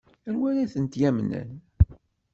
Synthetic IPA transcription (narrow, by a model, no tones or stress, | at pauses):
ænwænæθənt̪jæmnə̰n